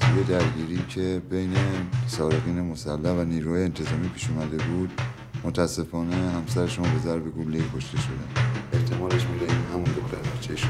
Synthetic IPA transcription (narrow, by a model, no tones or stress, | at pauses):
sʰujed̪æɾɟiːɾiːcʰe̞be̞jnesɒːɾe̞ɣiːne̞mo̞sælːæhvæniːɾuhɒːjeent̪ʰezɒːmiːpʰiːʃumæd̪e̞buːd̪ | mot̪ʰæsːe̞fɒːne̞hæmsæɾeʃunbe̞zæɾbe̞ɡulːekʰo̞ʃt̪e̞ʃo̞d̪ænʔe̞ht̪ʰe̞mɒːleʃmid̪æihæmund̪oxt̪ʰæɾbæɾt͡ʃʰːeʃ